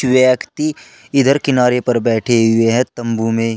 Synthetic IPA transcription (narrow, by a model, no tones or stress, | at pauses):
ʋjəkt̪i | ɪd̪ʱəɾkɪnaːɾepɐɾbɛːʈʰeɦʊeɦɛ̃t̪ɐ̃mbumẽː